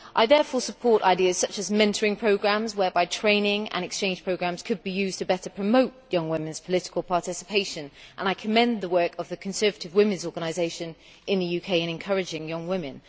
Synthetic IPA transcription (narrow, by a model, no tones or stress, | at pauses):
ʔaɪðɛɹfɔːsəpʰɔɹɾa̰ɪdiəz̥sʌt͡ʃəzmɛ̃ntʰəɹɪ̃ŋpʰɹ̥oʊɡɹæ̃mzwə˞baɪtʰɹ̥ẽɪ̃nɪ̃ŋə̰̃nɨkst͡ʃʰẽɪ̃nʒ̥pʰɹ̥əʊɡɹæ̃mz̥kʰɨd̚bijʉːztʰəbɛtəpʰɹ̥əmoʊʔjʌ̃ŋwɪ̃mɨ̃nz̥pʰəlɪtɪ̥kʰəlˠpʰɑˑtɪsɪ̥pʰeɪʃə̃nʔə̃naɪkʰəmɛ̃nðəwɜˑ˞kʰəvðɨkʰə̃n̩sɜ˞vətɪvwɪ̃mɨ̃nzɔɹɡənaɪzeɪʃɨ̃n | ʔɪ̃nðɨjʉkʰeɪɨ̃ñɨ̃nkʰʌɹɨd͡ʒɪ̃ŋjʌ̃ŋwɪ̃mɪ̃n